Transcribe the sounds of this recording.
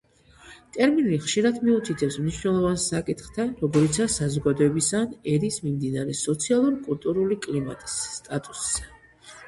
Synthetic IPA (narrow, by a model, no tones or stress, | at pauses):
t̪ʼɛɾminliχʃiɾad̪miut̪ʰit̪ʰɛpsmniʃnɛlˠɔvansakʼit̪χt̪ʰanɾɔɡɔɾit̪sʰasazɔɡad̪ɔɛbisanɛɾismimd̪inaɾɛsɔt̪sʰialˠuɾkʼult̪ʼuɾulikʼlima̰t̪ʼi̥sːt̪ʼat̪ʼuss